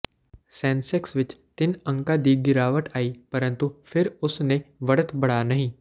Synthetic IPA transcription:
sɛ̃nseksʋɪt͡ʃt̪ɪnə̃ŋkad̪iːɡɪɾaʋəʈaiːpəɾənt̪ufɪɾʊsneʋəɽət̪bəɽ̤anaɦĩ

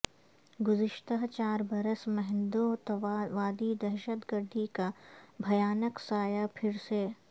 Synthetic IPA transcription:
ɡʊzɪʃt̪aɦt͡ʃaːɾbɐɾəsmɛɦnd̪ot̪ʋaːd̪id̪ɐɾʃət̪ɡəɾd̪ʱikabʱɐjaːnəksaːjapʰɪɾse

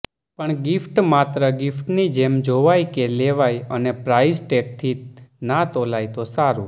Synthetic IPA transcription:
pəɳɡɪfʈmat̪ɾəɡɪfʈnid͡ʒemd͡ʒoʋajkeleʋajənepɾaizʈek̚t̪ʰinat̪olajt̪osaɾṵ

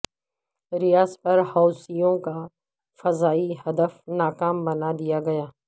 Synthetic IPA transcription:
ɾɪjaːzpɐɾhaːʊsijõka | fɐzaːihɐd̪əfnaːkaːmbɐnad̪ijaɡɐjaː

